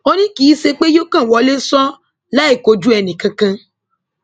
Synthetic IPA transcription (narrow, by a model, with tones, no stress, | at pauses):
o˦nĩ˦ki˨˦se˧k͡pe˦jo˦kã˦˨wɔ˧˦le˦sɔ˦ | la˦e˦˨ko˨˦d͡ʒu˦ɛ˧nĩ˨kã˧kã˧